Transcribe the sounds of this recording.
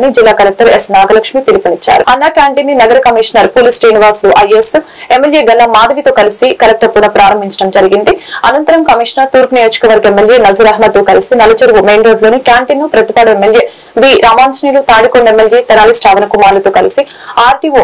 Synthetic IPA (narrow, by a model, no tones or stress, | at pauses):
nid͡ʒilːaːkɐlɐk̚ʈɐɾesnaːɡɐlɐkʂmip̪iɾipunit͡ʃːa̰ːɾṵɐnːaːkʲjaːɳʈinːinɐɡɐɾɐkɐmiʂɐnɐɾpoːlisʈeːniʋaːsluʔɐjes | emːeljeːɡɐlːɐmaːd̪ɐʋit̪o̞ːkɐlisikɐlɐk̚ʈɐpːunɐpɾaːɾɐmbʱiɲt͡ʃɐɽɐmd͡ʒɐɾiɡind̪iɐnɐnt̪ɐɾɐmkɐmiʂnɐɾt̪uːɾpnijoːd͡ʒɐ̥kɐʋɐɾɡɐemːelje̞ːnɐzɐɾɐɦmɐd̪t̪ːoːkɐlisinɐlɐt͡ʃɐɾʋume̞ːnɾo̞ːɖlo̞ːnikjaːɳʈinːupɾɐt̪ibaːɽɐemːeljeː | ʋiːɾʔaːmaːnt͡ʃɐniːlut̪aːɽikoɳɖemːeljeːt̪ɐɾaːlisʈaːʋɐnɐkumaːɾlɐt̪o̞ːkɐlisi | aːɾʈio